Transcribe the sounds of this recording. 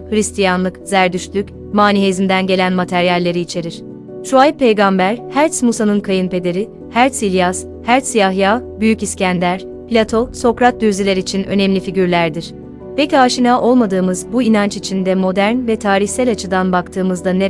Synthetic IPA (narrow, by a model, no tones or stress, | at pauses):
hɯɾist̪ʰijanlˠɯkz̥æɾd̪yʃlʲyc | maːnihezimd̪ænɟe̞lʲænmat̪ʰæɾjalʲːe̞ɾiːt͡ʃʰe̞ɾiɾ̥ | ʃuajpʰe̞jɡambæɾhæɾt̪smusanɯnkʰajɯnpe̞d̪e̞ɾi | hæɾt̪silʲjas | hæɾt̪sijaɦjaːbyjyciscænlʲæɾ̥ | pʰlʲat̪ʰo̞so̞kɾat̪̚d̪yzilʲeɾit͡ʃʰinø̞̰nɛmlʲifiɟyɾlʲæɾd̪iɾ̥ | pecʲiaːʃinaːʔo̞lˠmad̪ɯːmɯzbuinant͡ʃit͡ʃʰind̪ɛmo̞d̪æɾnvɛt̪ʰaːɾiçsælʲat͡ʃʰɯd̪anbakt̪ʰɯːmɯzd̪ane